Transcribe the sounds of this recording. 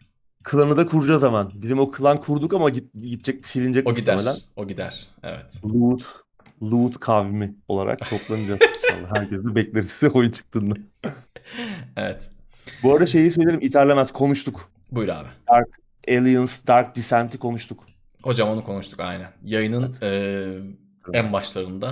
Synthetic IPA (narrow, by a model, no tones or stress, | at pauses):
kʰɯlˠanɯd̪akʰuɾud͡ʒazamanbizimokʰɯlˠankʰuɾd̪ukamaɟiɟit̪̚t͡ʃʰɛc̚i̥silʲind͡ʒɛcoid̪æmeɾlænoɟid̪æ̰ɾ̥ḛvɛ̰t̪lˠut̪ | lˠut̪kʰavimio̞̰lˠa̰ɾʔa̰k̚t̪ʰo̞plˠanɯd͡ʒaza̰lːɛɦæɾcʰɛzd̪ɛbɛclʲeɾisizɛo̞junt͡ʃʰɯ̥k̚t̪ʰɯːnd̪a | evɛt̪ | bøjlʲɛʃe̞jis̬øjlʲelimʔit̪ʰæɾlʲemæz̥kʰo̞nuʃt̪ʰuk | bujɾa̰ːbɪd̪aɾk | elʲˠijɯnsd̪aɾk̚d̪isænt̪ʰikʰo̞nuʃt̪ʰuk | ho̞d͡ʒamanɯkʰo̞nuʃt̪ʰu̥ka̰jnænjajɯnɯnɯː | ænbaʃlˠaɾɯnd̪a